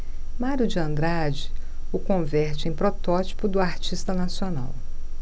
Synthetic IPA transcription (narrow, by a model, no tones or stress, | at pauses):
maɾjʊd͡ʒɪɐ̃nd̪ɾad͡ʒɪ | ʊkõvɛɾt͡ʃɪẽj̃pɾɔt̪ɔt͡ʃi̥pʊd̪ʊaɾt͡ʃist̪ɐnasiona̰w